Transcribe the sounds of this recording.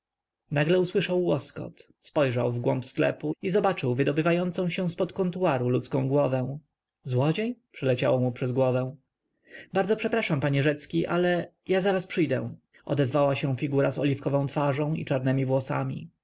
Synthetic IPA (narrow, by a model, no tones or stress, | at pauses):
naɡlɛuswɘʂawːɔskɔ̰t̪ | spɔjʐawvɡwɔmpsklɛ̰puizɔbat͡ʂɘwvɘd̪ɔbɘvajɔnt̪sɔ̃w̃ɕɛ̃w̃spɔt̪kɔ̃nt̪uaɾulut̪skɔ̃w̃ɡwɔvɛ̃w̃ | zwɔd͡ʑejpʂɛlɛt͡ɕa̰wɔmupʂɛzɡwɔvɛ̃ | baɾd̪zɔpʂɛpɾaʂampaɲɛʐɛt̪skʲiʔalɛ | jazaɾaspʂɘjd̪ɛ̰ | ɔ̰d̪ɛzvawaɕɛ̃w̃fʲiɡuɾazɔ̰lʲifkɔvɔ̃w̃t̪faʐɔ̃w̃ḭt͡ʂaɾnɛmʲivwɔsa̰mʲḭ